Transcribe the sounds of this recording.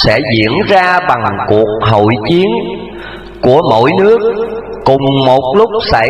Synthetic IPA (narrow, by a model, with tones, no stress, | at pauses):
sɛ̰˧˥zḭ˧˨ənzaː˧ɓa˨˩ŋku˨˩ək̚ɦo̰˧˨jt͡ɕi˨˦ən | ku˧˩əmo̰˧˥˨jnɨ˦˥ək̚ | kʊ˨˩ŋ͡mmo˨˩t̚lʊ˦˥k͡p̚sa̰˧˩